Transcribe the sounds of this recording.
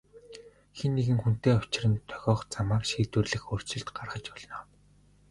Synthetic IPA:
xenːeɣɘ̆ŋxun̥t̪eːʊt͡ɕɪ̆rə̆nt̪ʰœ̥ɣʲɔːχt͡samaːkʃiːt̪wɘ̆rɮɘ̆xor̥t͡ɕɪ̆ɬt̪ɢarχə̆t͡ɕɔɮ̆nɔː

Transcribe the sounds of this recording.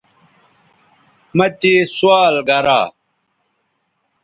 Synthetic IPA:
mɐt̪esuwaːlɡɐɾa̰ː

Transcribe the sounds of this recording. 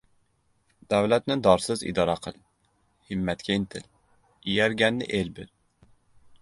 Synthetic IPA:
d̪̥ɛwlɛt̪nɪd̪ɑɾsɨzḭd̪ɑɾɑqʰəlˠ | hɨmːɛt̪kʲʰɛint̪ʰɪl | ijɛɾɡʲɛnːɪ̰ʔelbɪ̰l

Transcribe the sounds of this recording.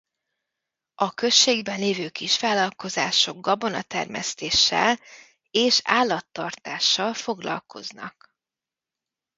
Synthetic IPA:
ɒkø̞ʃːeːɡbɛnleːvøːkiʃfaːlɒlko̞zaːʃo̞ɡɡɒbo̞nɒt̪ɛ̰rmɛ̰st̪eːʃːɛ̰l | eːʃaːlːɒt̪ːɒrt̪aːʃːɒlfo̞ɡlɒ̰lkʰo̞̰znɒ̰k

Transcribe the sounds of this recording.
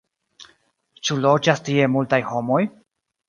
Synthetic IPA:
t͡ʃulod͡ʒastie̞multajho̞mo̞j

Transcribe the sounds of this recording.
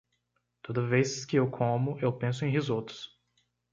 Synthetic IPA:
t̪od̪ɐveskɪewkʰõmʊʔewpẽsʊẽj̃ɦizot̪ʊ̥s

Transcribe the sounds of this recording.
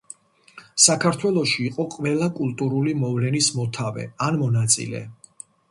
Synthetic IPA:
sakʰaɾt̪ʰwɛlˠɔʃiːqʼɔqʼvɛlˠakʼulˠt̪ʼuɾulimɔvlɛnismɔt̪ʰavɛ̰anmɔnat̪sʼḭlɛ̰

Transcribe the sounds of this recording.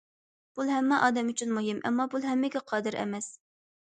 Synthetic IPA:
b̥ulˠɦɛmːɛʔɑːd̪ɛmyt͡ʃʰynmuɦɪmʔɛ̰mːɑbulˠɦɛmːɪɡʲɛqʰɑːd̪ɨɾʔɛ̰mɛs

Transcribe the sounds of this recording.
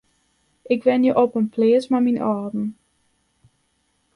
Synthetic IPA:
ʔɪkʋɛnjəʔɔpənpʰleːsmaminʔɔrdn̩

